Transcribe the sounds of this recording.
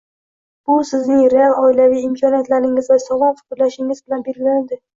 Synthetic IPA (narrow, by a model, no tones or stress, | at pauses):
b̥ʊsɪznɪŋɾealˠɒɪlavijɪmkʰɒnijat̪laɾɪŋɪzvasɒvɒnfʊ̥kʊɾlaʃɪŋɪzbɪlanbelɡʲɪland̪ɪ